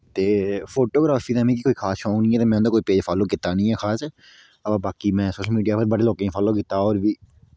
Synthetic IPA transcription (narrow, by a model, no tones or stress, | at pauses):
t̪eːfoːʈoːɡɾaːfiːd̪ãːmẽːkikoːiːkʰaːsʃɔ̃ːŋnĩːɛːt̪eːmɛ̃ːnd̪aːkoːiːpeːd͡ʒfʰaːloːkɪt̪aːnəĩːɛːxʰaːsɛ | əabaːkimɛ̃ːsoːʃəlmiːɖijaːpəɾbəɽeːloːkẽːfʰaːloːkɪt̪aːɔːɾbʱiː